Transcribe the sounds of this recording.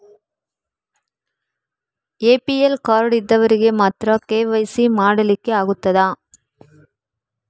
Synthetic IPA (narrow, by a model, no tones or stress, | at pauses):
eːpiɛlkaːɾɽɪd̪ːɐʋɐɾɯɣemaːt̪rɐkeːʋɐɪsimaːɽɐlɪkːɯɐɣɯt̪ːɐðaː